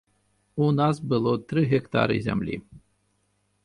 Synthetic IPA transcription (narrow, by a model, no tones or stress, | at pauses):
unɑzbɨlˠot̪ɾɨɦʲɛkt̪a̰ɾɨ̰zʲɛ̰mlʲḭ